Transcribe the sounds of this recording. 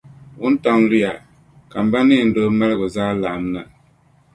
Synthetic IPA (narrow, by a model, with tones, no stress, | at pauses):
u˦n̩˦ta˦ŋ˦li˦a˨ | ka˨m˨ba˦ni˦˨n̩˨do˦mɛ˦lɡo˨za˦la˨mna˨